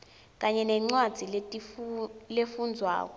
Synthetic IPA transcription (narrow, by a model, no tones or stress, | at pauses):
k̬aɲɛnɛŋ͡ǀwad̥d͡z̥ʱile | lefund͡zʱwa̰ːk̬ɔ